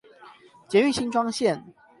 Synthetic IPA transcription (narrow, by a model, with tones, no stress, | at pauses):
t͡ɕjɛ˨˧˦y˥˨˩ɕi˥nʈ͡ʂwɑ˥ŋɕjɛ˥˨n